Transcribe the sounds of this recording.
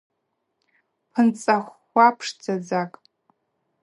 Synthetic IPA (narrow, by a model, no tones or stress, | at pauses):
pʰɨnt͡sʼaχːʷapʰʂd͡zad͡zakʼ